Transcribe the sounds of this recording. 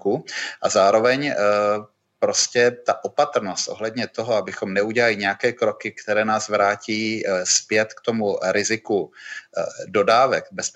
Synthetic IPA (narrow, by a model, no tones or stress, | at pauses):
kuʔazaːɾo̞vɛɲ | pɾo̞scɛt̪aʔo̞pat̪ɾ̩no̞st̪ʔo̞ɦlɛdɲɛt̪o̞ɦo̞abɪxo̞mnɛuɟɛlalɪɲɛjakɛːkɾo̞kɪkt̪ɛɾɛːnaːzvɾaːciːspjɛt̪kt̪o̞muɾɪzɪku | do̞daːvɛkbɛs